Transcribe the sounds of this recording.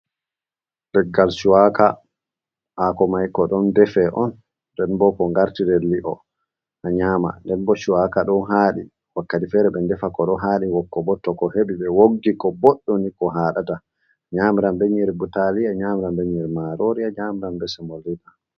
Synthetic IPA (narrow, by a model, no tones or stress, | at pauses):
dɛɡalʃuwaka̰ | ʔakɔmajkɔɗɔndɛfɛʔɔnː | dɛnbɔkɔŋɡaɾtidɛlːiʔɔ̰ | ʔaɲaːma̰ndɛnbɔʃuwakaɗɔnɦaːɗi | wakːatifɛɾɛɓɛndɛfakɔɗɔɦaːɗiwɔkːɔbɔtːɔkɔheɓiɓɛwoɡːikɔbɔɗːɔnikɔɦaːɗata | aɲaːmiɾambɛɲɛɾbutaliaɲamiɾambɛɲɛɾmaɾoɾiaɲaːmiɾambɛsɛmoliɗa